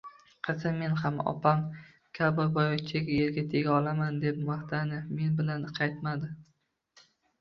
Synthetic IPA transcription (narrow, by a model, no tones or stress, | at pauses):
qʰɨzɪme̞nhamɒ̰pʰam | kʲʰabɪɾbɒjɒkʲt͡ʃʰaɡʲajeɾɡʲat̪ʰeɡʲaɒlamand̪ep̚maht̪anɪme̞nbɪlanqʰɑjt̪mad̪ɪ